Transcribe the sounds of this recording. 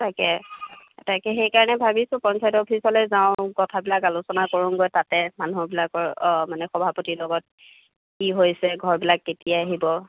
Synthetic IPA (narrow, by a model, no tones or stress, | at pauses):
takɛ | tajkɛxejkaɹɔnɛbʱabisʊ̃pɔnsajtɔopʰisɔlejzaʊ̃kɔtʰabilakalusɔnakoɹunɡojtatɛmanubilakɔɹmanɛxɔbʱapɔtilɔɡɔt̚ | kiɦojsɛɡʱɔɹbilakːetijaaɦibɔ